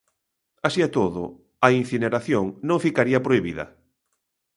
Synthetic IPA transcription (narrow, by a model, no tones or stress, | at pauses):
asiat̪oðʊ̰ | ɐinθineɾaθjoŋnõŋfikaɾiɐpɾoiβiðɐ̰